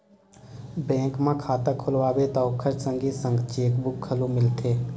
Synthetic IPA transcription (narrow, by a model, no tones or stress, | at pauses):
bɛ̃ːŋkmãkʰaːt̪əkʰʊlʋaːbet̪ɔːkʰəɾsə̃ŋɡisə̃ŋɡt͡ʃeːkbʊkʰːəlomɪlt̪ʰeː